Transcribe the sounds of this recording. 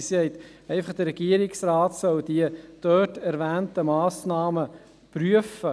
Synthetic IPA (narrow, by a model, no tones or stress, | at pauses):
sɛɪt̪ɛɪfəχd̥əɾːɛɡ̥iəɾɪksɾɑːtsœld̥iəd̥œtæɾʋæːntəmɑːsnɑːmə | pɾyəfə